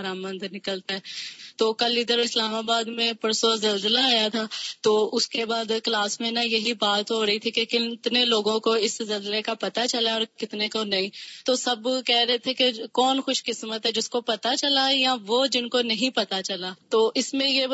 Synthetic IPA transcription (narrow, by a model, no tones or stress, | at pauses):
ɾaːmːə̃nd̪nɪkəlt̪aɦɛːt̪oːkɐlɪd̪əɾɪslaːmaːbaːd̪mẽpɐɾsozɐlzəlaːjat̪ʰaːt̪oːʊskebaːd̪klaːsmẽnajɐɦibaːt̪ɦoːɾɐɦit̪ʰikekɪt̪neloːɡõkoɪszɐlzəlekapɐt̪at͡ʃɐlaɔːɾkɪt̪nekonɐɦĩːt̪oːsɐbkɛːɾɐɦet̪ʰekekɔːnxʊʃkɪsmət̪ɦɛd͡ʒɪskopɐt̪at͡ʃɐlajãʋod͡ʒɪnkonɐɦĩpɐt̪at͡ʃɐlaːt̪oːʔɪsmẽje